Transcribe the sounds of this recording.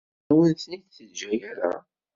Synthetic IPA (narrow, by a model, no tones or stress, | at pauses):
wənt̪niθθəd͡ʒæjæɾæ̰